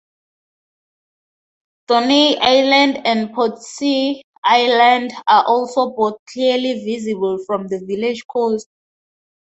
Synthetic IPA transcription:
d̥ɔniajlãndɛ̃ndpʰɔtsi | ʔajlãndaʔɔlsobɔθ̚kʰliəlivizibulfɹɔ̃mðəviled͡ʒkʰɔst̚

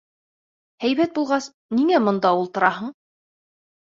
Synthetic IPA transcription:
hæjβæt̪̚bulˠʁɑs | niŋæmŏnd̪ɑulˠt̪ɤ̆ɾɑɦɤɴ

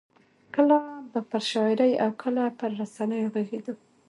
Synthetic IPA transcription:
kəlab̪əpəɾʃɑɪɾəja̰wkʰəlapəɾːasanəjoɣeɡed̪u

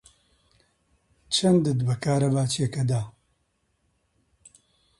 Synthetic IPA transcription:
t͡ʃʰɐnd̪ɨd̪bɐkʰaːɾɐbaːt͡ʃijɛkɐd̪aː

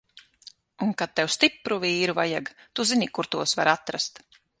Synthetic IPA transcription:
unkat̪̚t̪ːɛwst̪ipɾuviːɾuvajaɡt̪uzinikuɾt̪uɔsvaɾat̪ɾast̪

